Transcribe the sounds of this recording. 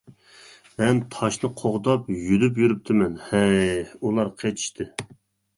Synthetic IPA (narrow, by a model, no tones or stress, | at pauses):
mɛnt̪ʰɑʃnɨqʰoʁd̪ɑpjylypjyɾyp̚t̪ʰɪmɛnhɛulˠɑɾqʰet͡ʃʰi̥ʃt̪ʰɨ